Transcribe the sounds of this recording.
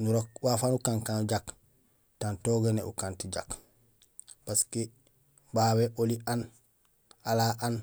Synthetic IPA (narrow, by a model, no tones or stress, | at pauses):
nuɾokwafanukaŋkanɟak | tantoɡenḛṵkantiɟak | paske | baːweʔolian | alaʔan